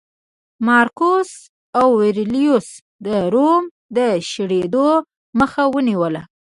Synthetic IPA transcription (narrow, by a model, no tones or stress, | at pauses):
mɑɾkos | awːeɾlijus | d̪əɾom | d̪əʃɽed̪o | məxawəniwəla